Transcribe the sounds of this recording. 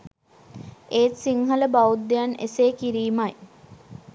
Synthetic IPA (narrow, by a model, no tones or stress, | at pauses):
eːt̪siŋɦələbaud̪ːejanḛseːkiɾiːmaj